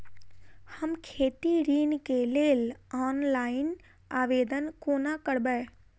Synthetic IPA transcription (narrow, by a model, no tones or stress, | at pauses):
həmkʰeːt̪iɾiːnkeleːlaːnlaːɪn | aːʋeːd̪ənkoːnakəɽbəː